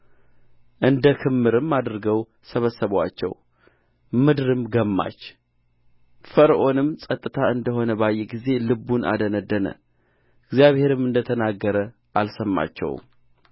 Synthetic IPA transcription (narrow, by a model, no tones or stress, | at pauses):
ʔɨnd̪əkʰɨmːɨɾɨmːad̪ɾɡəw | səβəsːəβwa̰t͡ʃːɛ̰w | mɨd̪ɾɨmɡəmːa̰t͡ʃː | fəɾʔo̞nɨmsʼət̪ʼːɨt̪ʰaɨnd̪əɦo̞nəbajːɛɡize̞lɨbːunʔa̰d̪ənəd̪ːənə̰ | ɨɡzijaβhe̞ɾɨmɨnd̪ət̪ʰənaɡːəɾə | ʔalsəmːa̰t͡ʃːɛ̰w̰